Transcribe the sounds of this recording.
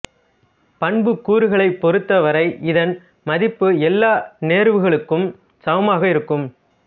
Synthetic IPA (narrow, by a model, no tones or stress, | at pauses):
pɐɳbɯkːuːɾɯɣɐɭɐɪpːɔɾɯt̪ːɐʋɐɾɐɪʔɪðɐn | mɐðɪpːɯɛlːaːneːɾʋɯɣɐɭɯkːɯm | sɐʋɐmaːɣɐɪɾɯkːɯm